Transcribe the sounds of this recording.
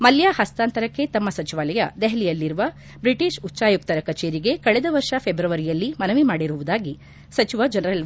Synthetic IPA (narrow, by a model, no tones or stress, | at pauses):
mɐljaːhɐst̪aːnt̪ɐɾɐkːe̞t̪ɐmːɐsɐt͡ʃiʋaːlɐjɐd̪ɛɦɛlijɐlːiɾuʋɐ | bɾiʈiʃutːt͡ʃaːjuk̚t̪ɐɾɐkɐt͡ʃeːɾiɡe̞kɐɭɛd̪ɐʋɐɾʂɐpʰebɾɐʋɐɾijɐlːimɐnɐʋimaːɽiɾuʋud̪aːɡi | sɐt͡ʃiʋɐd͡ʒɐnɐɾɐl